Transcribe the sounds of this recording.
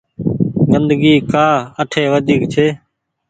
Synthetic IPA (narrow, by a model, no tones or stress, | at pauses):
ɡənd̪əɡiːkaːəʈʰeːʋəd̪ʱiːkt͡ʃʰeː